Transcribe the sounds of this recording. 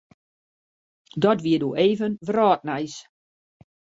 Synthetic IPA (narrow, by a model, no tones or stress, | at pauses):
dɔtʋiədoːʔeːvənʋrɔːt̚nɛjs